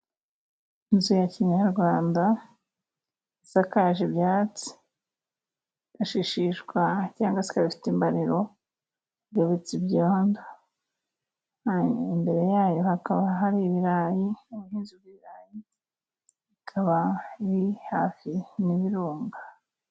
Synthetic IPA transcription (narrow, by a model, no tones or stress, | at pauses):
inzujaciɲaɾɡwaːnda | isakaːʒibjaːt͡si̥ | iɡ̥aʃiʃiʃɡwacaːŋɡwasi̥kaβifi̥timbaɾiɾo̞ | jeβet͡sibjoːndḁ | imbe̞ɾe̞jaːjo̞hakaβaɦaɾiβiɾajiuβuhiːnzubɡiβiɾaːji | ikʰaβaiɾihaːfiniβiɾuːŋɡa